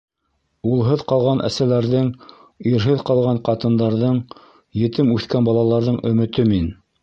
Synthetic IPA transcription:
ulˠɦɤðqɑlˠʁɑnʔæ̰sælæɾðɘŋ | iɾɦɘðqɑlˠʁɑɴqɑt̪ɤ̆nd̪ɑɾðɤɴ | jɘ̆t̪ɘmʉθkænbɑlˠɑlˠɑɾðɤɴʔɵ̆mɵ̆t̪ɵmin

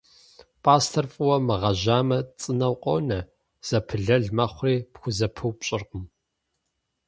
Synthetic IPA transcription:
pʼaːstʰɐrfʼɨwɐmɨʁɐʑaːmɐt͡sʼɨnɐwqʷʼɔ̰wnɐ | z̥ɐpʰɨɮɐɮmɐχʷriːpxʷʊzɐpʰɨwpɕʼɪrqʊm

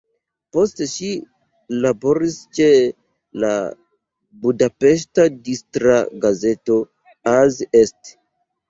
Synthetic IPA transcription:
po̞steʃi | labo̞ɾist͡ʃe̞ | la | budape̞ʃ̬tadistɾaɡaze̞to̞ | azest

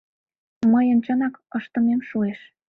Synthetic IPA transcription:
məjənt͡ɕənɑkəʃt̪ə̆memʃueʃ

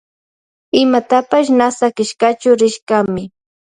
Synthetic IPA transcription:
ɪmat̪apaʃ̬nasakɪʃkat͡ʃʊɾɪʃɢamɪ

